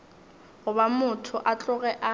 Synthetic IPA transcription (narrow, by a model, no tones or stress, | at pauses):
ɣʊbamʊtʰʊʔat͡ɬʼʊɣɛʔa